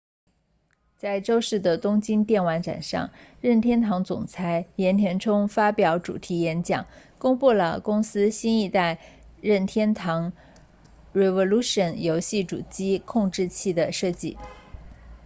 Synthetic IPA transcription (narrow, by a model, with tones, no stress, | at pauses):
t͡sa˥˩ɪʈ͡ʂo˥ʊʂɻ̩˥˩d̪ə˩t̪ʊ˥ŋt͡ɕi˥nt̪jɛ˥˩nwa˧˥nʈ͡ʂa̰˨˩nʂɑ̰˥˧ŋɻə˥˩nt̪ʰjɛ˥nt̪ʰɑ˧˥ŋt͡sʊ̰˨˩ŋt͡sʰa˧˥ɪjɛ˧˥nt̪ʰjɛ˧˥nʈ͡ʂʰʊ˥ŋfa˥pjɑ˧˥ʊʈ͡ʂṵ˨˩t̪ʰi˧˥jɛ˧˥nt͡ɕjɑ̰˨˩˦ŋ | kʊ˥ŋpu˥˩lə̰˩kʊ˥ŋsɹ̩˥ɕi˥ni˥˧t̪a˥˧ɪ | ɻə˥˩nt̪ʰjɛ˥nt̪ʰɑ˧˥ŋ | ɻe˧˩wɔ˧lu˥ʂə˨˩njo˧˥ʊɕi˥˩ʈ͡ʂṵ˨˩t͡ɕi˥kʰʊ˥˧ŋʈ͡ʂɻ̩˥˧t͡ɕʰi˥˩d̪ə˩ʂɤ˥˧t͡ɕḭ˥˩